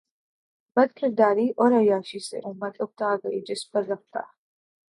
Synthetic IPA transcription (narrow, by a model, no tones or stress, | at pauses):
bɐd̪̚kʰʼɪɾd̪aːɾiːʔɔɾɐjaːʃisɛ̰ʔʊmːɐt̪ʼʊb̚t̪aːɡɐɪd͡ʒɪsbɐzɐk̚t̪ʰa̰